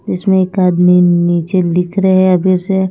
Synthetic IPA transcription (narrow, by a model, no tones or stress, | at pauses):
d͡ʒɪsmẽeːkaːd̪miniːt͡ʃelɪkʰɾɐɦɛɐbʱɪɾse